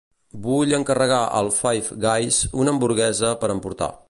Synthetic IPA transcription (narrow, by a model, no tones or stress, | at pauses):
buʎəŋkərəɣaʔə̰lˠfajfɡajsunəmbuɾɣɛzəpəɾəmpuɾt̪a̰